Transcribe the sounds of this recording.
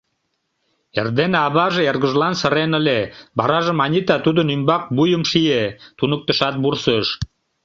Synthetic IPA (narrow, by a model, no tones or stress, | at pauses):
erd̪enɑβɑʒeerɣə̆ʒlɑnsə̆ɾenə̆lebɑɾɑʒə̆mɑnʲit̪ɑt̪ud̪ənymbɑk̚bujəmʃiet̪unək̚t̪ə̆ʃɑt̪̚bursəʃ